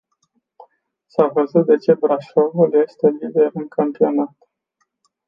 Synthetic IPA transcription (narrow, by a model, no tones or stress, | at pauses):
savəzut̪̚d̪e̞t͡ʃe̞bɾaʃovulje̞st̪e̞lid̪e̞ɾɨŋkʰampio̞nat̪